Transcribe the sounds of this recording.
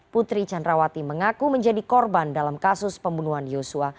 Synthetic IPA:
put̪ɾit͡ʃandɾawat̪iməŋakuməɲd͡ʒadikɔrbandalamkasʊspəmbunuɦanjosua

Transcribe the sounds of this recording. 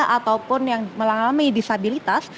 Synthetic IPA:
ʔat̪awpʊnjaŋməlaŋamidisabilit̪as

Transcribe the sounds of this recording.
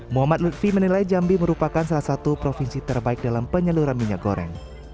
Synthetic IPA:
muɦamat̪̚lut̪̚fimənilajd͡ʒambiməɾupakansalahsat̪upɾofinsit̪ərbaɪk̚dalampəɲəluɾanmiɲak̚ɡoɾɛ̰ŋ

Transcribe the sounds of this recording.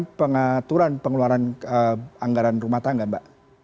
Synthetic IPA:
npəŋat̪uɾanpəŋəluaɾanəaŋɡaɾanrumaht̪aŋɡanbaʔ

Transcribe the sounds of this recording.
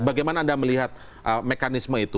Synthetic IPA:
baɡajmanaːndaməliɦat̪̚ | ʔəmekanisməit̪u

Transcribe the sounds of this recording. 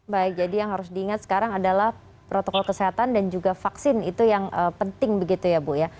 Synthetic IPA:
baɪk̚d͡ʒadijaŋɦaɾʊsdiːŋat̪sə̥kaɾaŋadalah | pɾot̪okɔlkəseɦat̪andand͡ʒuɡafaksɪnit̪ujaŋʔəpənt̪ɪŋbəɡit̪ujabʊja

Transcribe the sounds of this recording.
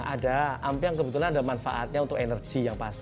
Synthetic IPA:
ʔadaampijaŋkəbət̪ulanadamanfa̰ʔa̰t̪̚ɲaunt̪ʊkenərɡ̥ijaŋpast̪i

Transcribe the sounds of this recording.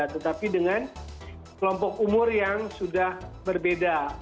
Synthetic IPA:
t̪ət̪apidəŋan | kəlɔmpɔk̚umʊrjaŋsudahbərbeda

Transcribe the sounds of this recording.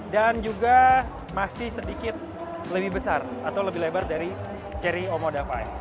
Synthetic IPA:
dand͡ʒuɡa | masɪhsədikɪt̪̚ | ləbɪhbəsarat̪awləbɪhlebardaɾi | t͡ʃɛɾiomodafaɛ

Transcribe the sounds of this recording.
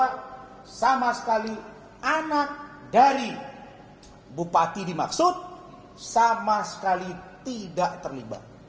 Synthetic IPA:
at̚ | samasə̥kali | ʔanak̚daɾi | bupat̪idima̰ksʊt̪̚ | samasə̥kalit̪idaʔt̪ərliba̰t̪̚

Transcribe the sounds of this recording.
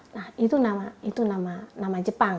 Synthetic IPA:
nahit̪unamait̪unamanamad͡ʒəpaŋ

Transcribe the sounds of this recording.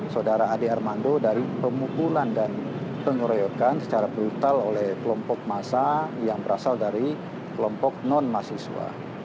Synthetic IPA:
sadaɾaːdearmandodaɾipəmukulandanpəŋəɾojɔkansə̥t͡ʃaɾabɾut̪alolɛhkəlɔmpɔk̚masajaŋbəɾasaldaɾi | kəlɔmpɔk̚nɔnmasisṵa̰

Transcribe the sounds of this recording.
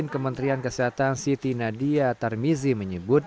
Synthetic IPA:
ɪnkəmənt̪ɾiankəseɦat̪ansit̪inadiat̪armiziməɲəbʊt̪̚

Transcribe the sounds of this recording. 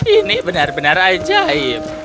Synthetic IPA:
inibənarbənarad͡ʒaim

